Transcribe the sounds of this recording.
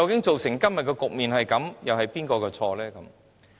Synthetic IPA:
ɐ˨wkɪ˨˥ŋt͡so˨wsɪ˨˩ŋkɐ˥mmɐ˨t̚kɔː˧kʊ˨k̚miː˨nhɐ˨jkɐ˨˧˥mjɐ˨whɐ˨jpiː˥nkɔː˧kɔː˧t͡sʰɔː˧lɛː˥kɐ˨˦m

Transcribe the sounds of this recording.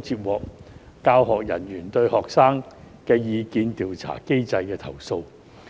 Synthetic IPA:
t͡siː˧t̚wɔː˨˩k̚ː | aː˧wɦɔː˨k̚jɐ̰˨˩njyː˨˩nt̪ɵ˧ɥhɔː˨k̚saː˥ŋkɛː˧jiː˧kiː˧nt̪iː˨˧wt͡sʰa̰ː˨˩ke˥jt͡sɐ˧jkɛː˧t̪ʰɐ̰˨˩wso˧w

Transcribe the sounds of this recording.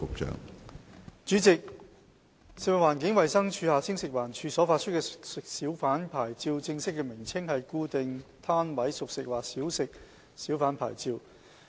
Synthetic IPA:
ʊ˨k̚t͡ʃœ̰ː˨ŋ | t͡ʃyː˨˥t͡sɪ˨k̚ | sɪ˨wa˨waː˨˩nkɪ˨˥ŋwɐ˨jsɐ˥ŋt͡ʃʰyː˧haː˨t͡sʰɪ˥ŋsɪ˨k̚waː˨˩nt͡ʃʰyː˧sɔː˨˥faː˧t̚t͡ʃʰɵ˥t̚kɛː˧sɪ˨k̚siː˨˥wfaː˨˥npʰaː˨˩jt͡si˧wt͡sɪ˧ŋsɪ˥kːɛː˧mɪ˨˩ŋt͡sʰɪ˥ŋhɐ˨jkuː˧t̪ɪ˨ŋt̪ʰaː˥nwɐ˨˥jsʊ˨k̚sɪ˨k̚waː˨k̚siː˨˥wsɪ˨k̚ | siː˨˥wfaː˨˥npʰa̰ː˨˩jt͡siː˧w

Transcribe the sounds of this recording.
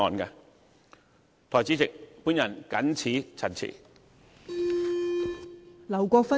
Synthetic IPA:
ɔː˨˩nkɛ˧ | t̪ʰɔː˨˩jt͡si˨˥t͡sɪ˨k̚puː˥njɐ˨˩nkɐ˨˥nt͡sʰiː˨˥t͡sʰɐ˨˩nt͡sʰḭː˨˩ | lɐ˨˩wkʷɔː˧fɐ˥

